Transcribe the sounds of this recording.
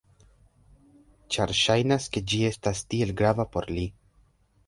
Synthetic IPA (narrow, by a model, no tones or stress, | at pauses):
t͡ʃaɾʃajnaske̞d͡ʒie̞stastie̞lɡɾavapo̞ɾli